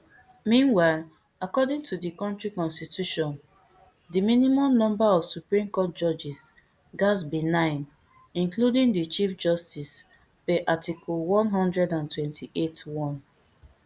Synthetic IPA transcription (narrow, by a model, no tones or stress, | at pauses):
mĩnwaɪl | akɔdĩŋtʰudikɔ̃ntɹikɔ̃nstitjuʃɔ̃n | dimĩnimɔ̃mnɔ̃mbaɔv̥supɹĩmkɔt̚d͡ʒɔd͡ʒis | ɡasbinãɪ̃n | ĩnkludĩŋdit͡ʃifd͡ʒɔstis | peʔatikʰɔlwɔ̃nɦɔ̃ndɹɛdãntwɛ̃ntʰiʔetwɔ̃n